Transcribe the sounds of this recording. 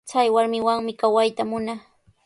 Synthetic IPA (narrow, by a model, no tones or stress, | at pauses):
t͡sajwaɾmɪwaŋmɪkawajt̪amʊna